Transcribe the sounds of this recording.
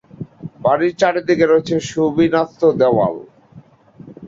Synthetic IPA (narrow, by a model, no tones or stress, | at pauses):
baɽiɾt͡ɕaɾed̪ikeɾoet͡ɕʰeʃubinat̪ːod̪ɛwa̰l